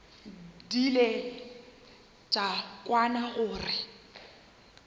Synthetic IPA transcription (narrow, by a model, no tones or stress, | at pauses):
dile | t͡ʃʼakʼwanaɣʊːrɪ